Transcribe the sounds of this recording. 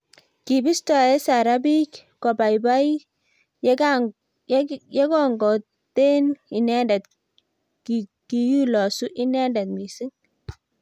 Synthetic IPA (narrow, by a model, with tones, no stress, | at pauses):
ki˨bi˦stɔ˨e˦sa˨ɾa˦bi˦kkɔ˨ba˨jba˦i˦ | jɛ˦kɔ˦ŋɡɔ˨ | te˦ni˨nɛ˦nda˨t̪ | k | ki˨ju˦lɔ˨su˦ʔi˦nɛ˦nda˨t̪̚mi˨si˦ŋ